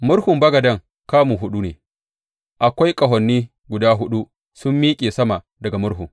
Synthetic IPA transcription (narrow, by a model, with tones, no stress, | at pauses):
mʊ˦ɽhʊ˨mbɐ˦ɡɐ˨dɐ˦ŋ | kaː˦muː˨ɦʊ˦ɗu˦neː˨ | ʔa˨kʷa˦jkʼɐ˨ɦɐ˨nːiː˦ | ɡʷʊ˨daː˦ɦʊ˦ɗu˦ | sʊ˦mːiː˦kʲʼeː˨sɐ˦ma˨ | dɐ˨ɡa˨mʊ˦ɽɦʊ˨ŋ